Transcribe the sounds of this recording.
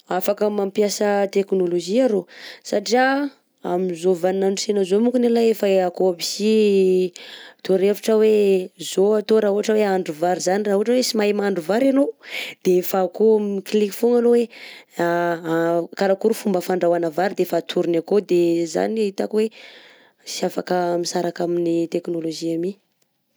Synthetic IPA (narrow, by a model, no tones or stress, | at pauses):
afakamampjasət̪eknoloʒiaɾosaʈ͡ʂia | a̰mizovanaɳɖ͡ʐusenəzomuŋkunelaefaeakoabisi | t̪uɾeviʈ͡ʂəwezoat̪oɾaɦuɦaʈ͡ʂəweaɳɖ͡ʐuvaɾizaniraɦuɦaʈ͡ʂəwesimajmaɳɖ͡ʐuvaɾanod̪̥efakomikliki̥foŋanowea | kaɾakuɾufumbəfaɳɖ͡ʐawanavaɾid̪efat̪ʰuɾinakod̪eza̰niaɦit̪akwe | siafakəmisaɾakaminit̪eknoloʒiami